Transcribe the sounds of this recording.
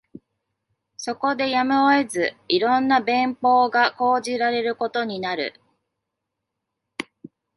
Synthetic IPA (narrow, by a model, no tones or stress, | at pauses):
so̞ko̞d̪e̞jamɯoe̞zɨiɾõ̞nːabẽ̞mpo̞ːɡako̞ːʑiɾaɾe̞ɾɯ̟ko̞t̪o̞ɲ̟inaɾɯ̟̰